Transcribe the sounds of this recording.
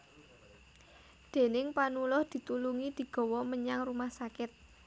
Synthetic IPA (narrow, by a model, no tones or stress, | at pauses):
d̪̥e̤nɪŋpanulʊhd̪̥i̤t̪uluŋid̪̥i̤ɡ̥ɔ̤wɔməɲaŋrumahsakɪt̪̚